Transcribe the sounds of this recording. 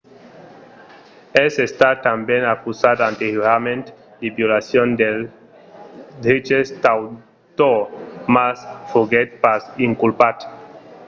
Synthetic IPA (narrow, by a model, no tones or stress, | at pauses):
esest̪at̪ambjenakusat̪ant̪euɾamẽnt̪ | ibjolasjond̪el | d̪ɾit͡ʃest̪aw | t̪omasfuɡet̪̚pasiŋkulpat̪